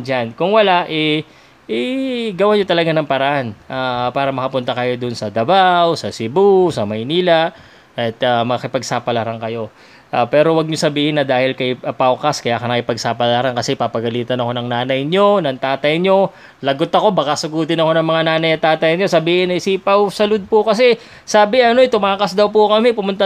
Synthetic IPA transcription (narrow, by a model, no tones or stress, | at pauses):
d͡ʒankʊŋwɐlaʔɛ | ʔɛɡɐwaɲot̪ɐlɐɡanɐŋpɐɾɐʔanʔapaːɾɐmɐkɐpʊnt̪akɐjo̞d̪ʊnsɐd̪ɐbawsɐsɪbusɐmɐjniːlɐ | ɐt̪amɐkɪpɐɡsaːpɐlaɾaŋkɐjo̞ | ʔapɛːɾo̞wɐɡ̚ɲosɐbiːhɪnːɐd̪aːhɪlkɐjpawkɐskɐjaːkɐnɐkɪpɐɡ̚sapɐlaɾankɐsɛpɐpɐɡɐliːt̪ɐnɐko̞nɐŋnaːnɐjɲo̞nɐŋt̪aːt̪ɐjɲo̞ | lɐɡot̪ɐko̞bɐkasʊɡuːt̪ɪnɐko̞nɐŋmɐŋanaːnɐjɐt̪ːaːt̪ɐjɲo̞sɐbiːhɪnːɐɪsiːpɐwsɐlod̪̚pʊkɐs̬ɛ | saːbɪʔɐno̞ɪt̪ʊmaːkɐsd̪ɐwpʊkɐmɛpʊmʊnt̪a